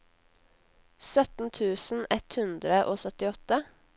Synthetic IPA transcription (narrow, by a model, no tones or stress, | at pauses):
sœt̪n̩t̪ʰʉːsn̩ɛt̪hʉnd̪ɾəʔoːsœt̪ɪɔt̪ə